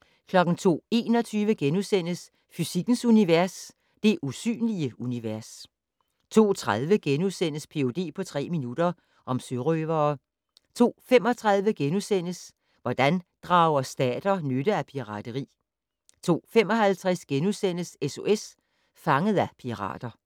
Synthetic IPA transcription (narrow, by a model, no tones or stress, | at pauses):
kʰlɒ̽ɡ̥n̩t͡sʰo̝̰ːe̝̰ːnɒ̽t͡sʰyːʋəɡ̥enusen̰əs | fysiɡ̥n̩suniʋæɐs | d̥e̝ʔusy̰ːnliəuniʋæɐs | t͡sʰo̝̰ːt͡sʰʁað̞ˠʋəɡ̥enuðˠsen̰əspʰe̝o̝d̥e̝̰ːpʰɒ̽t͡sʰʁɛ̰ːminud̥ɐ | ʔɒ̽msøʁœːʋɐː | t͡sʰo̝̰ːfem̰ɒ̽t͡sʰʁɑðˠʋəɡ̥enusen̰əs | ʋɒd̥ænd̥ʁɑ̈ʊɐsd̥ɛ̰ːd̥ɐnødəæpʰiʁɑ̰̈d̥əʁḭː | t͡sʰo̝̰ːfem̰ɒ̽hælt͡sʰʁɛsɡ̥enusen̰əseso̝ʔes | fɑ̈ŋəð̞̩ˠæpʰiʁɑ̰̈ːd̥ɐ